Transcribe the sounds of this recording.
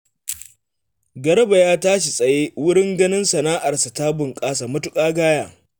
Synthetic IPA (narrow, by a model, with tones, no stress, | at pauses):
ɡɐ˨ɾɐ˦ba˨jaː˦taː˦ʃi˨sʼɐ˨jeː˦wʊ˦ɽɪ˦ŋɡɐ˦nɪ˦nsɐ˨naː˦ʔa˨rsa˨ta˦bʊ˨ŋkʼaː˦s̬a˨mʊ˦tʊ˦kʼaː˦ɡaː˦jaː˦